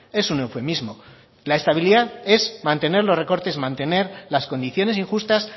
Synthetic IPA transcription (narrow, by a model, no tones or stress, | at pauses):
e̞sune̞wfe̞mizmo̞ | lae̞st̪aβ̞iliðaðe̞zmãnt̪e̞ne̞ɾlo̞re̞ko̞ɾt̪e̞zmãnt̪e̞ne̞ɾlasko̞nd̪iθjo̞ne̞siŋxust̪as